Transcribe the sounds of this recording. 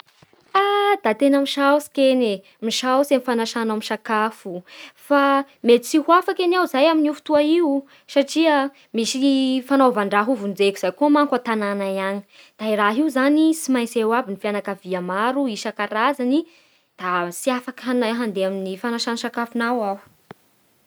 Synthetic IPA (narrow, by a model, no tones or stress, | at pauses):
ad̪at̪enamiʃawsi̥kene | miʃawsemifanaʃanamiʃakafufa | met̪it͡sihuafakeniawzajaminufu̥t̪uaiu | saʈ͡ʂiə | misifanovaɳɖ͡ʐaɦuvund͡zekʲiz̥ajkumaŋkat̪ananajani̥ | d̪̥airaɦiuzanisimajsewabinifianakaviamaɾuiʃakaɾazani | d̪̥asiafakɦanaɦand̪eaminifanaʃanaʃakafunawaw